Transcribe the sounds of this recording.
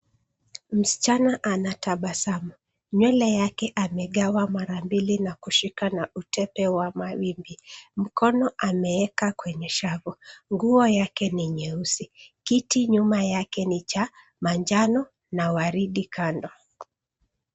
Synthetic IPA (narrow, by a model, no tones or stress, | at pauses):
m̩si̥t͡ʃanaʔanataɓasamu | ɲwɛlɛjakɛʔamɛɠawamaɾambilinakuʃikanautʰɛpɛwamawimbim̩kɔnɔʔamɛɛkakwɛɲɛʃavuŋɡuɔjakɛniɲɛusikitiɲumajakɛnit͡ʃa | maɲd͡ʒanɔ | nawaɾiɗikʰandɔ